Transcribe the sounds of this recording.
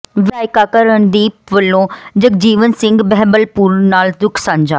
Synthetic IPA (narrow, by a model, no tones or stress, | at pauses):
ʋɪaːjkaːkəɾəɳd̪iːʋəlːõːd͡ʒəkd͡ʒiːʋənsɪ̃ŋɡbɛɦbəlpuːɾnaːld̪ʊkʰsãːɲd͡ʒaː